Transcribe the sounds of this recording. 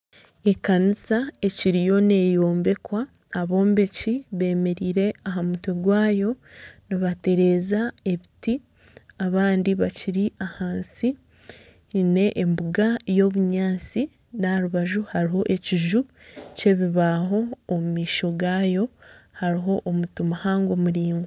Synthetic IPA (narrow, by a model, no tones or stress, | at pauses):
e̞kanisae̞ciɾijo̞ne̞ːjoːmbe̞kwaː | βo̞ːmbe̞ciβe̞ːme̞ɾiːɾe̞aɦamutweɡwaːjo̞niβate̞ɾe̞ːzae̞βiti | aβaːndiβaciɾiʔahaːnsi | ne̞ʔːmbuɡajo̞ːβuɲaːt͡si | naɾuβaʒuhaɾiɦo̞ʔe̞ciʒu | ce̞βiβaɦo̞ːmumiːʃo̞ɡaːjo̞haɾiɦo̞ʔːmutumuhaːŋɡo̞muɾiːŋɡo